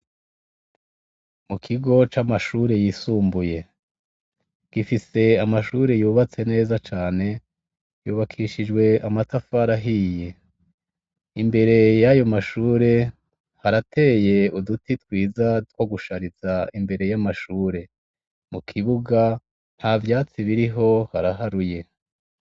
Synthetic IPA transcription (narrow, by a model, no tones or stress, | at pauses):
mukʰiɡo̞t͡ʃamaʃuːɾe̞jisuːmbuje̞ | ɡ̥ifise̞amaʃuːɾe̞juːβat͡se̞ne̞ːzat͡ʃaːne̞ | juːβakʰiʃid͡ʒwe̞amatafaɾaɦije̞ | imbe̞ɾe̞jajo̞maʃuːɾe̞ | haɾatʰe̞ːje̞udutitwiːzat̚woɡuʃaɾizaimbe̞ɾe̞jamaʃuːɾe̞ | mukʰiβuɡa | n̥haːvjaːt͡siβiɾiɦo̞haɾaɦaɾuje̞